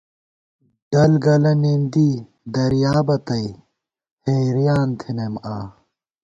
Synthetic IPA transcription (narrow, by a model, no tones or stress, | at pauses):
ɖ̥ɐlɡɐlɐnind̪i | d̪ɐɾjaːbɐt̪ɐi | heːɾijaːnt̪ʰinemaː